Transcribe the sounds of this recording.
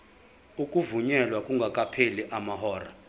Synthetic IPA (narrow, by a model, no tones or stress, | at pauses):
ukʼuvuɲɛlwakʼuŋɡʱakʼapʰeliʔamaɦɔːra̰